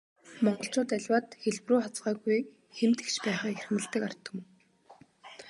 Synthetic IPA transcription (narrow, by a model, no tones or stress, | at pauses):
mɔɴɢɞ̆ɬt͡ɕʊːt̪æɮʲwaːt̪xeɮpruːat͡sɢaːɣuj | xemt̪ɘ̆kt͡ɕpæːχaːerxmɘ̆ɮt̪ə̆kar̥t̪ə̆k